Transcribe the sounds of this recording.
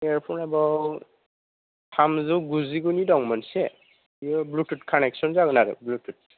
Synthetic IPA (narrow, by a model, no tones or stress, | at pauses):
ɛɹpʰɔnɛbɔw | tʰamzuɡuziɡunidɔŋmɔnsɛ | iɔblututkʰanɛksɔnzaɡɔnaɾɯ̰blutʰut̚